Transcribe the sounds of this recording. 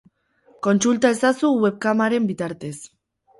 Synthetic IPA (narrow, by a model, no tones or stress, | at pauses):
ko̞nsult̪ae̞sasuwe̞β̚kamaɾe̞mbit̪aɾt̪e̞s